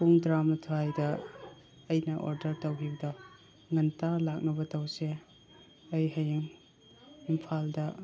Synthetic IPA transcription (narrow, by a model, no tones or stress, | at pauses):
puŋdɾamɐtʰoajdɐː | jnɐʔo̰ɾdɐɾtɐwɦiɡdɔ | ŋɐntalak̚nɐbɐtɐwse | ɐjɦɐjiŋ | impʰaldɐ